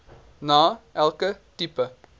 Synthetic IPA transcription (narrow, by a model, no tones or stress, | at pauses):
naːʔælˠkətipə